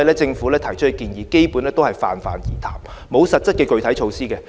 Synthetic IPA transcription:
jlɛː˥t͡sɪ˧ŋfu˨˥lɛː˥t̪ʰɐ˨˩jt͡ʃʰɵ˥t̚hkiː˧njiː˨˩ke˥jpu˨˥nlɛː˥t̪o˥hɐ˨jfa̰ː˨nfa̰ː˨njiː˨˩t̪ʰa̰ː˨˩m | mo˨˧wsɐ˨t̚t͡sɐ˥t̚kɛː˧kɵ˨ɥt̪ʰɐ˨˥jt͡ʃʰo˨˧wsiː˥kɛ˧

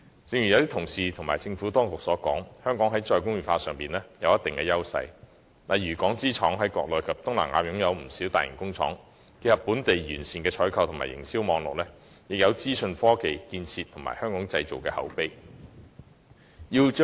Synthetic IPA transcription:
t͡sɪ˧ŋɥy˨˩jɐ˨˧wt̪iː˥t̪ʰʊ˨˩ŋsiː˨t̪ʰʊ˨˩ŋma̰ː˨˩jt͡sɪ˧ŋfuː˨˥t̪ɔː˥ŋkʊ˨k̚sɔː˨˥kɔ̰ː˨˥ŋhœː˥ŋkɔː˨˥ŋɦɐ˨˥jt͡ʃɔː˧jkʊ˥ŋɥyː˨˩faː˧sœː˨˩ŋpiː˨˩nlɛ˥jɐ˨˧wjɐ˥t̪ɪ˨ŋkɛː˧jɐ˥wsɐ̰˧j | lɐ˨jɥyː˨˩kɔː˨˥ŋt͡siː˥t͡ʃʰɔ̰ː˨˥ŋɦɐ˨˥jkɔː˧k̚lɔː˨jkʰɐ˨p̚t̪ʊ˥ŋla̰˨˩ŋaː˨˧jʊ˨˥ŋjɐ˨˧wm̩˨˩siː˨˥wt̪a̰ː˨jɪ̰˨˩kʊ˥ŋt͡sʰɔ̰ː˨˥ŋ | ke˧hɐ˨pːuː˨˥nt̪e˨jɥyː˨˩nsiː˨nkɛː˧t͡ʃʰɔː˨˥jkʰɐ˨wt̪ʰʊ˨˩ŋma̰ː˨jɪ̰˨˩ŋsi˥wmɔː˨˧ŋlʊ̰˨k̚lɛː˥ | jɪ˨k̚jɐ˨˧wt͡siː˥sɵ˧nfɔː˥ke˨jkiː˧nt͡sʰiː˧t̪ʰŋma̰ː˨˩jhœː˥ŋkɔː˨˥ŋt͡sɐ˧jt͡so˨wkɛː˧hɐ̰˨˥wpe˥j | jiː˧wt͡ʃː

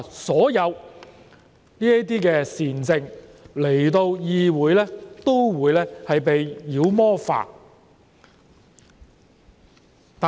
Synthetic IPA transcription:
sɔː˨˥jɐ˨˧w | niː˥ɐ˥t̪̬iː˥kɛː˧siː˨˩nt͡sɪ˧ŋle˨˩jt̪o˧wjiː˧wuː˨˥jlɛː˥t̪o˥wwuː˨˧˥jlɛː˥hɐ˨jpe˨jːiː˨˧wmɔː˥fa̰ː˨˩ | t̪a˨

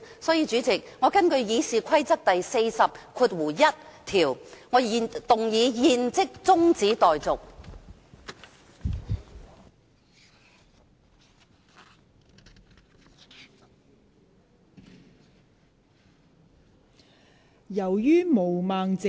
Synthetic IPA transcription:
sɔː˨˥jiː˧t͡ʃyː˨˥t͡sɪ˨k̚ŋɔː˨˧kɐ˥nkɵ˧ɥjiː˨˧siː˨kʷʰɐ˥jt͡sɐ˥k̚t̪ɐ˨jse˧jsɐ˨p̚kʰuː˧t̚wuː˨˩jɐ˥t̚t̪ʰiː˨˩wŋɔː˨˧i˨˧t̪ʊ˨ŋjiː˨˧jiː˨˧nt͡sɪ˥k̚t͡sʊ˥ŋt͡siː˨˥t̪ɔː˨jt͡sʊ˨k̚ | jɐ˨˩wjyː˥mo˨˩wmaː˨ŋt͡sɪ˨

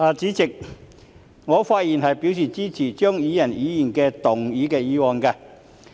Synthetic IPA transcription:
aː˨t͡siː˨˥t͡sɪ˨k̚ | ŋɔː˨˧faː˧t̚jiː˨˩nɦɐ˨jpiː˨˥ws̬iː˨˩t͡siː˥t͡sʰiː˨˩t͡ʃœː˥ŋjiː˨˧jɐ˨˩njiː˨˥jiː˨˩nkɛː˧t̪ʊ˨˩ŋjiː˨˥kɛː˧jiː˨˧wɔː˨˧nkaː˧

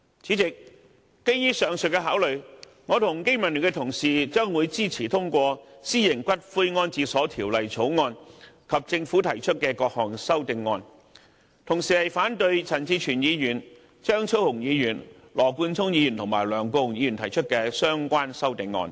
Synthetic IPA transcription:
t͡sʰiː˨˥t͡sɪ˨k̚ː | e˥jjiː˥sœː˨ŋsɵ˨t̚kːɛ˧ɦaː˨˥wlɵ˨ɥ | ŋɔː˨˧t̪ʰʊ˨˩ŋke˥jmɐ˨˩nly˨˩kɛ˧t̪ʰʊ˨˩ŋsiː˨t͡ʃœː˥ŋwuː˨˧jt͡siː˥t͡sʰiː˨˩t̪ʰʊ˥ŋkʷɔː˧siː˥jɪ˨˩ŋkʷɐ˥t̚fu˧jŋɔː˧nt͡siː˧sɔː˨˥t̪ʰiː˨˩wlɐ˨jt͡sʰo˨˥wŋɔː˧n | kʰɐ˨p̚t͡sɪ˧ŋfuː˨˥t̪ʰɐ˨˩jt͡ʃʰɵ˥t̚kɛː˧kɔː˧k̚hɔː˨˩ŋsɐ˥wt̪ɪ˨˧ŋːɔː˧n | t̪ʰʊ˨˩ŋsiː˨hɐ˨jfaː˨˥nt̪ɵ˧ɥt͡sʰɐ˨˩nt͡siː˧t͡ʃʰyː˨˩njiː˨˧jyː˨˩n | t͡ʃœː˥ŋt͡sʰo˥whʊ˨˩ŋjiː˨˧jyː˨˩n | lɔː˨˩kuː˧nt͡sʰʊ˥ŋjiː˨˧jy˨˩nt̪ʰʊ˨ŋmaː˨˩jlœː˨˩ŋkʷɔː˧hʊ˨˩ŋjiː˨˧jyː˨˩nt̪ʰɐ˨˩jt͡ʃʰɵ˥t̚kɛː˧sœː˥ŋkʷaː˥nsɐ˥wt̪ɪ˨˧ŋːɔ̰ː˧n

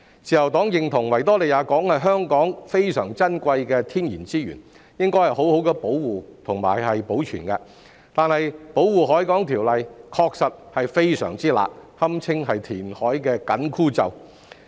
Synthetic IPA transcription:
t͡siː˨jɐ˨˩wt̪ɔː˨˥ŋjɪ˨ŋt̪ʰʊ˨˩ŋwɐ˨˩jt̪ɔː˥le˨jaː˨˥kɔː˨˥ŋhɐ˨jɦœː˥ŋkɔː˨˥ŋfe˥jsœː˨˩ŋt͡sɐ˥nkʷɐ˧jkɛː˧t̪ʰiː˥njiː˨˩nt͡siː˥jyː˨˩n | jɪ˥ŋkɔː˥jhɐ˨˩jho˨˥who˨˥wkɛ˧po˨˥wwuː˨˩t̪ʰʊ˨˩ŋma̰ː˨˩jhɐ˨jpo˨˥wt͡ʃʰy̰ː˨˩nkɛ˧ | t̪aː˨nhɐ˨jpo˨˥wwuː˨˧ɦɔː˨˥jkɔː˨˥ŋt̪ʰiː˨˩wlɐ˨jkʰɔː˧k̚sɐ˨t̚hɐ˨jfe˥jsœ̰ː˨˩ŋt͡siː˥la̰ː˨k̚hɐ˥mt͡sʰɪ˥ŋɦɐ˨jt̪ʰiː˨˩nhɔː˨˥jkɛː˧kɐ˨˥nkʰuː˥t͡sɐ̰˨˧w

